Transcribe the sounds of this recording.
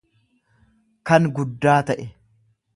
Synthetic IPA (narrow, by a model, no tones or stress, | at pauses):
kɐŋɡʊd̪ːaːt̪ɐʔɛ